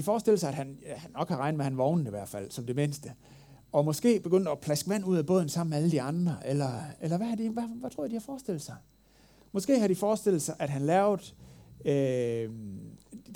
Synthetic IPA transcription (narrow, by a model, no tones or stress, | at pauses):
d̥ifɒːsd̥e̝l̩sɑ̈ɪæd̥hænhænːɒ̽ɡ̥hɑ̈ʁɑ̈ɪnd̥mehænʋɒʊn̩iʋæɐ̰d̥fæl̰sɒ̽md̥e̝me̝nsd̥ə | ɒ̽mɒ̽sɡ̥e̝̰ːb̥e̝ɡ̥øn̰d̥ɒpʰlæsɡ̥əʋæn̰uð̞̰ˠæb̥ɔ̽ð̰ˠn̩sɑ̈m̰meæləd̥iɑ̈nd̥ʁɐʔelɐelɐʋæhɑd̥iʋæʋæt͡sʰʁo̰d̥ihɑ̈fɒːsd̥e̝l̰̥sɑ̈ɪ | mɒ̽sɡ̥e̝̰ːhɑ̈ɾ̥ifɒːsd̥e̝l̰̩sɑ̈ɪʔæd̥ɦænlɛːʊð̩ˠø